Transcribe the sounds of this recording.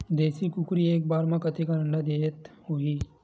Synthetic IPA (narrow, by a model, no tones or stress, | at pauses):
d̪eːsikʊkɾieːk̚baːɾmãkɐt̪ʰikaɾəɳɖad̪eːət̪hoːiː